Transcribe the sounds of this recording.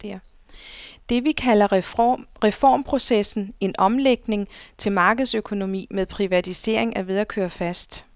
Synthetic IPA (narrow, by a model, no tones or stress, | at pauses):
d̥e̝ʋikʰælɐ | ʁɛfɒ̰ːmpʰʁo̝sesn̩e̝nʔɒ̽mleɡ̥ne̝ŋt͡sʰe̝lmɑ̈ːɡ̥əð̞̩ˠsøkʰo̝no̝mḭːmeðˠpʰʁiʋæt͡sʰise̝̰ɐ̰e̝ŋæʋe̝ð̞ˠækʰøːɐfæsd̥